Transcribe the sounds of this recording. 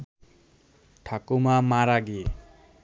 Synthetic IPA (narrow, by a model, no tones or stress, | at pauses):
ʈʰakumamaɾaɡie